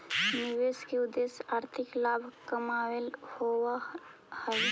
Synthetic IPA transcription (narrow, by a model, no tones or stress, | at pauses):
nɪʋeskeʊd̪esaːɾt̪ʰɪklaːbʱkəmaːwelhowa | həj